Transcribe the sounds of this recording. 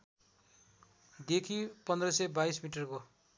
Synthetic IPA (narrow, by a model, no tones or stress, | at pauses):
d̪ekʰipʌnd̪rʌsʌbajsmiʈʌrko